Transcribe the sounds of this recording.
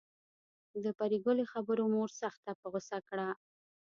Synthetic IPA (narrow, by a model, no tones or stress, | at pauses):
d̪əpaɾiɡʊlexabəɾomoɾsaxt̪apəɣʊsakɽa